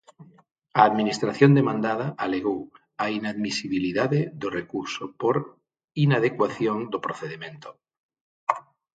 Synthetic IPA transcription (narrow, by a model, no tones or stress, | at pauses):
aːðminist̪ɾaθjond̪emãnd̪aðaʔaleɣow | ainaðmisiβiliðaðeðorekuɾsopoɾ | inað̞ekwaθjoŋd̪opɾoθeðimẽnt̪o̥